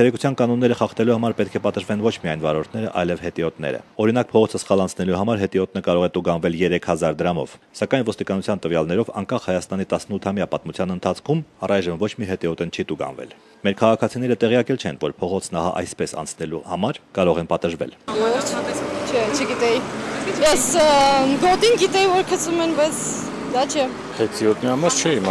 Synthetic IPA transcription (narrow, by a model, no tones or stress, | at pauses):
t͡sʰɛɾɛku̥t͡sʰjɑnkɑn̪ɔnːɛɾəχɑχt̪ɛluhɑmɑɾpɛt̪̚kʰɛpɑt̪əʒvɛnvɔt͡ʃʰmiɑjnvɑɾɔɾt̪ʰnɛɾəʔɑ̰jlɛvhɛt̪iɔt̪nɛ̰ɾə̰ɔɾinɑk̚pʰɔʁɔt͡sʰəsχɑlɑnt͡sʰnɛluɦɑmɑɾɦɛt̪iɔt̪nəkɑɾɔʁɛt̪uɡɑnvɛljɛɾɛkʰhɑzɑɾd̪əɾɑmɔ̰v̥ | sɑkɑjnvɔst̪ikɑnut͡sʰjɑnt̪əvjɑlnɛɾɔvɑ̰ŋkɑχhɑjɑst̪ɑnit̪ɑsnut̪ʰɑmjɑpɑt̪mut͡sʰjɑnənt̪ʰɑt͡sʰkʰumɑrɑjʒəmvɔt͡ʃʰmiɦɛt̪iɔt̪ənt͡ʃʰit̪uɡɑ̰nvɛ̰l | mɛɾkʰɑʁɑkʰɑt͡sʰinɛɾət̪ɛʁjɑkɛlt͡ʃʰɛnvɔɾpʰɔʁɔt͡sʰnɑhɑ̰ʔɑ̰jspɛsɑ̰nt͡sʰnɛluhɑmɑɾkɑɾɔʁɛnpɑt̪əʒvɛ̰lɛ | t͡ʃʰɛt͡ʃʰəɡit̪ɛjijɛs | ɡɔt̪inɡit̪ɛjivɔɾkʰəsumɛnbɑjt͡sʰ | d̪ɑt͡ʃʰɛ | hɛt̪iɔt̪niɑmɑɾt͡ʃʰɛim